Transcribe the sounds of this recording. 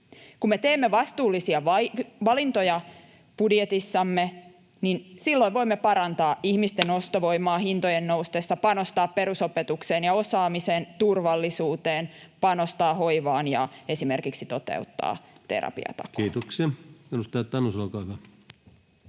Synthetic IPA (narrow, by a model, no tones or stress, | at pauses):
kumːet̪eːmːeʋɑst̪uːlːisiɑʋɑʋɑlint̪ojɑ | b̥udjet̪isːɑmːe | ninsilːoiʋʋo̞imːepɑɾɑnt̪ɑːʔihmist̪enost̪oʋoimˑɑːhint̪ojenːoust̪eːsːɑpɑnost̪ɑːppe̞ɾusopet̪ukseːnjɑo̞sɑːmiseːnt̪urʋɑlːisuːt̪eːnpɑnost̪ɑːɦo̞iʋɑːnjɑ̰e̞simerkiksit̪o̞t̪ḛut̪ːɑ̰ːt̪ḛɾɑ̰pḭɑ̰t̪ɑ̰kiːt̪oksiɑinust̪ɑjt̪ːɑnːosɑlkɑʋɑ